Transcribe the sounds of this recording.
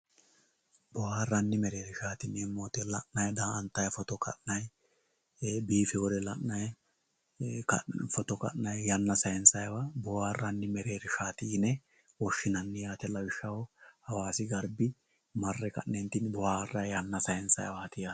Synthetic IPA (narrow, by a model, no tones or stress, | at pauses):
bɔhaːrːɐnːɪmɛɾeːɾɪʃaːt̪ɪnɛmːoːt̪ɛlɐʔnɐjd̪aːnt̪ːɐjfɔt̪ɔkɐ̰ʔnɐj | biːfɛwɔd̪ɛlɐʔnɐj | kɐ̰fɔt̪ɔkɐ̰ʔnɐjjɐnːɐsɐjɛnsɐjwabɔwaːrːɐnːɪmɛɾe̞ːɾɪʃaːt̪ɪnɛ | wɔʃːɪnɐnːɪjaːt̪ɛlɐwɪʃːɐwɔhɐwaːsɪɡɐɾbɪ | mɐrːɛkɐ̰ʔnɛnt̪ɪnbɔhaːrːɐjjɐnːɐsɐjɛnsɐ̰jwaɐt̪ɪja